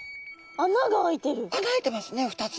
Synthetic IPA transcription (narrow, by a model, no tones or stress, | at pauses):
anaɡaːit̪e̞ɾɯ̟kãŋɡaet̪e̞masɨne̞ɸɯ̟̥t̪at͡s